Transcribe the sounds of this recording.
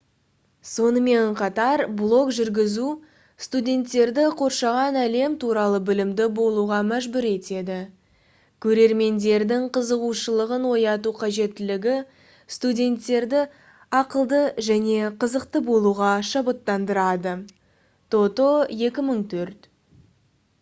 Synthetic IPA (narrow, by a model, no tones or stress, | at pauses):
so̞nəme̞ɴqʰɑt̪ɑɾblˠo̞kʒʏɾɡʲɪzu | st̪udʲe̞nt̪ːe̞ɾd̪ɪqʰo̞ɾʃɑʁɑnæle̞mt̪uɾɑlˠəbɪlɪmd̪ɪbo̞lˠuʁɑmæʒbʏɾe̞t̪e̞d̪ɪ | kʲʰɵɾe̞ɾme̞nd̪e̞ɾd̪ɪŋqʰəzəʁuʃəlˠəʁənwo̞jɑt̪̬uqʰɑʒe̞t̪ːɪlɪɡʲɪ | st̪udʲe̞nt̪ːe̞ɾd̪ɪ | ɑqəlˠd̪əʒæne̞qʰəzəq̚t̪əbo̞lˠuʁɑʃɑbət̪ːɑnd̪əɾɑd̪ə | t̪ʰo̞t̪o̞je̞kʲɪməɴt̪ʰɵɾt̪